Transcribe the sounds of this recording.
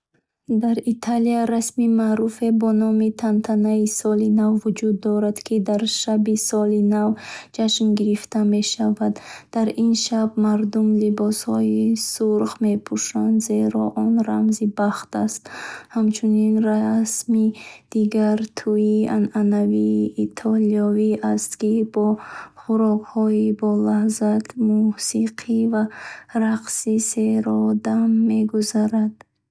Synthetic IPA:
d̪aɾit̪ʰaliaɾasmimaɾufe̞bɔnɔmit̪ʰant̪ʰanaisɔlinavvud͡ʒud̪ːɔɾad̪kʰid̪aɾʃabisɔlinavd͡ʒaʃnɡiɾift̪ʰame̞ʃavad̪ːaɾinʃabmaɾd̪umlibɔshɔisuɾχme̞pʰuʃand̪ze̞ɾɔʔɔnɾa̰mzibaχt̪ʰast̪hamt͡ʃʰuninrasmid̪̥iɡaɾt̪ʰuiananaviːt̪ʰɔliɔviast̪kibɔχuɾɔkhɔibɔlahzat̪musiqʰivaɾaqsise̞ɾɔd̪amːe̞ɡuzaɾad̪̥

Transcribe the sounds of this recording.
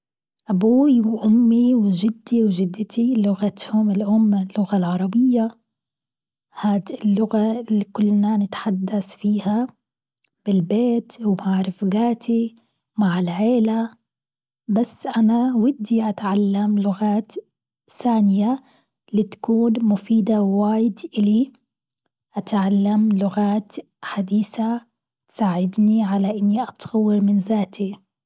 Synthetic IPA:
ʔabuːiwʔʊmːiwʒɪd̪ːiwʒɪd̪ːɪt̪ʰilʊɣat̪hʊmɪlʔʊmːlːʊɣalʕɑɾˤɑbɪjːa | haːd̪ɪlːʊɣalːikʊlːnanɪt̪ħad̪ːasfiːha | b̥ɪlbeːt̪wmaʕɾɪfɡaːt̪ʰi | maʕɪlʕeːla | basːʔanawɪd̪ːiʔat̪ʕalːamlʊɣaːt̪ | θaːnɪja | lit̪ḁkuːnmʊfiːd̪awwaːjɪd̪ʔɪli | ʔat̪ʕalːamlʊɣaːt̪ | ħad̪iːθa | t̪saːʕɪd̪niʕalaʔɪnːiʔat̪ɣawːɪɾmɪnzaːt̪i

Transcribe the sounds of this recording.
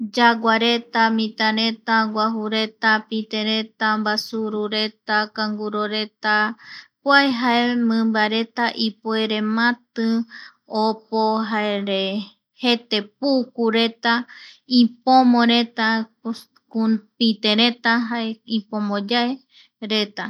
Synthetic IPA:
d͡ʒaɡʷaɾe̞t̪amĩt̪ãɾe̞t̪aɡʷaɦuɾe̞t̪apit̪ẽɾet̪ambasuɾuɾe̞t̪akãŋɡuɾoɾe̞t̪apwaeɦaemɨ̃mbaɾe̞t̪aʔipoeɾemãt̪ɨ | opoɦaeɾe | he̞t̪e̞p̚ukuɾe̞t̪aipõmõɾe̞t̪a | kupit̪ẽɾẽ̞t̪aɦaeipõmõd͡ʒae | ɾe̞t̪a

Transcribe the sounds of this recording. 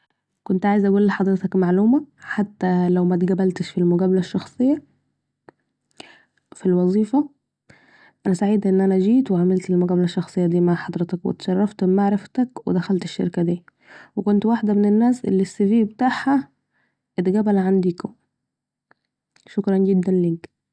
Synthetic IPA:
kont̪ʕaːjezʔæɡuːlːħɑd̪ˤɾet̪ɑkmaʕluːmæħat̪ːælæwmæt̪ɡæbælt̪eʃfilmoɡæːbælæʃːɑxsˤejːɑ | filwɑzˤiːfɑ | ʔænæsaʕiːd̪ʔenːʔænæʒiːt̪weʕamelt̪elmoɡæːbælæʃːɑxsˤejːɑd̪iːmaʕħɑd̪ˤɾet̪ɑkwḛt̪ʃɑrˤːɑft̪maʕɾɑft̪ækwḛd̪æxælt̪eʃːḛɾkæd̪iː | wekont̪waħd̪æmenenːæːsʔḛlːisːeviːbet̪aːħhæ | ʔet̪ɡæbælʕand̪iːko | ʃokɾˤɑnɡed̪ːænliːk

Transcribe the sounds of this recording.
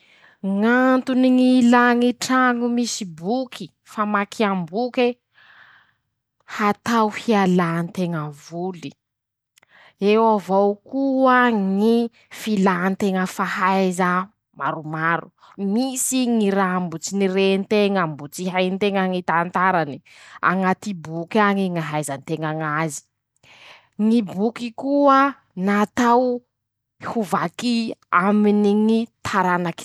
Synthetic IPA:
ŋant̪uniŋilaŋiʈ͡ʂaŋumisibukʰi | famakʰiambuke | hat̪awhialant̪eŋəvuli | ewavokuaŋi | filant̪eŋəfahajzau | maɾumaɾṵ | misiŋiɾambut͡sinirent̪eŋambut͡siɦajnt̪eŋəŋit̪ant̪aɾani̥ | a̰ŋat̪ibukʲaŋiŋaɦajzant̪eŋaŋazi̥ | ŋibukikuə | nat̪aw | huvakiaminiŋit̪ʰaɾanaki̥

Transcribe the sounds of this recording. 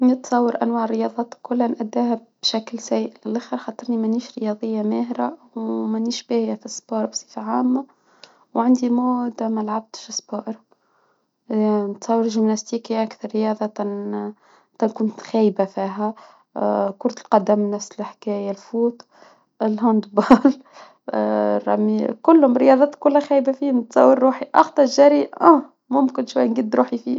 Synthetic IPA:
nət̪sˤɑwːɑɾʔænwaːʕərːəjɑðˤɑːt̪kːʊlːanʔæd̪ːæːhæb̥ʃæklsæjʔlɪlʔaxəɾxɑt̪ˤːɑɾˤnimæniːʃɾəjɑðˤəjːamæːhɾawmænːiːʃbæhjafisˤbɑːɾwsˤifaʕaːmːa | wʕand̪imud̪amælʕab̚t̪ʃsˤbɑːʔɾ | nət̪sˤɑwːɑɾʒɪmnæst̪iːkiʔakθɑɾˤːəjɑːðˤɑt̪ | t̪ɑkʊnt̪xæːjbafiːɦæ | kʊɾt̪əlqɑd̪amnæfsɪlħkæːjalfuːt̪ˤ | ɪlːɦɑnd̪bɑːl | ɾˤɑmikʊlːhʊmɾəjɑːðˤɑːt̪kʊlhæxæːjbafiːmnət̪sˤɑwːəɾːuːħiʔɑxt̪ˤɑɾʒæɾiæ | mʊmkɪnʃwajːnɡid̪ɾuːħifiː

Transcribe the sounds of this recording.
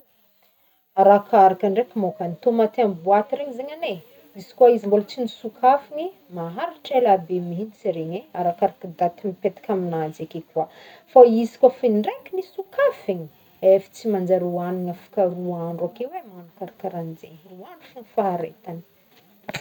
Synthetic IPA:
aɾakʰaɾakaɳɖ͡ʐekimokanit̪omat̪eambuat̪iɾeɲizeɲane | iz̥i̥kwaizimbolat͡sinisukʰafini | maɦaɾiʈ͡ʂelabeminit͡siɾeɲeaɾakaɾakəd̪at̪imipet̪ḁkʲaminad͡zekekuafaizi̥kwafinɳɖ͡ʐekinisukafiɲi | efi̥t͡simand͡zaɾuaniɲafḁkaɾuaaɳɖ͡ʐakewemanakaɾakaɾand͡zeruanufunifaɦaɾḛt̪ani̥

